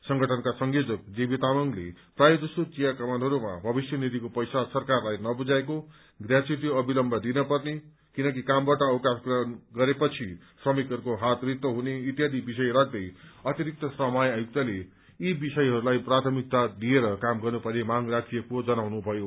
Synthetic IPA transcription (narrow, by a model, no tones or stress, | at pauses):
sʌŋɡʌʈʰʌnkasʌŋɡod͡zʌk̚d͡zibit̪amʌŋlḛprajʌd͡zʌsot͡sijakʌmanɦʌɾuma̰bʱʌbisjʌnid̪ʱikopʌjsasʌrkarlajnʌbud͡zaeko | ɡrjat͡suuʈiʌbilʌmbʱʌd̪inʌpʌrne | kinʌk̬ikambaʈʌːwkaskrʌnɡʌɾepʌt͡sʰi | srʌmikʌɾukoɦat̪rit̪ːʌɦuneit̪jad̪ibisʌjɾak̚ʰd̪ʌjʌt̪iɾik̚t̪ʰʌsrʌmʌjajuk̚t̪ale | ibisʌjɦʌɾulajprat̪ʰʌmik̚t̪ad̪ieɾʌkamɡʌrnupʌrnemaŋrakʰiekod͡zʌnawnubʱʌjo